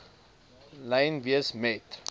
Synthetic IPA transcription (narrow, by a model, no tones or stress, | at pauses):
lɛjnviəsmɛt